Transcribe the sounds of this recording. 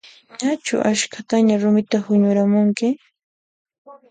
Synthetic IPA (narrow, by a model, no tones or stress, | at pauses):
ɲat͡ʃʊ̰ʔaʃkʰat̪aɲaɾʊmɪt̪ahʊɲʊɾamʊŋkɪ